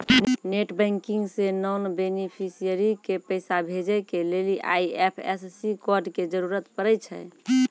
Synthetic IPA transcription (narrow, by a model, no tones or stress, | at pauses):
nneʈbəŋkiŋɡsenɔnbenipʰisijəɾikepəɪsabʱed͡ʒɛjkeleliʔa̰iepʰɛ̰ssikɔɾɖked͡ʒəɾuɾət̪pəɾəjt͡ʃʰɛ̰